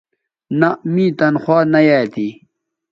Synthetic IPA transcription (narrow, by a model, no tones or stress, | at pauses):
namĩt̪ɐnxwaːnɐjaːjt̪i